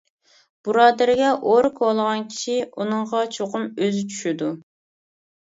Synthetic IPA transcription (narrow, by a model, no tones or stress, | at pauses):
b̥uɾɑːd̪ɪɾɪɡʲɛʔoɾkʰolˠəʁɑnkʲʰi̥ʃiunɨŋʁɑt͡ʃʰoqʊmøzyt͡ʃʰy̥ʃyd̪u